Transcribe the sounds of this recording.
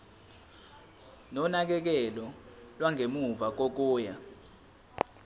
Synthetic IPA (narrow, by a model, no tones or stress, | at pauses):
nɔnak̬ɛk̬ɛlɔlwaŋʱemuvak̬ok̬uːja